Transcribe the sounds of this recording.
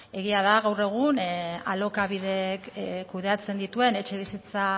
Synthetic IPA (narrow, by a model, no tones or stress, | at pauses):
e̞ɣiaðaɣawre̞ɣ̞unalo̞kaβiðe̞kkːuð̞e̞at͡se̞nd̪it̪ue̞ne̞t͡ʃe̞βisit͡sa